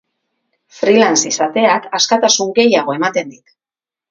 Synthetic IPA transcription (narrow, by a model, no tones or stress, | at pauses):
fɾilansisat̪e̞akaskat̪asuŋɡe̞jaɣ̞o̞e̞mat̪e̞nd̪it̪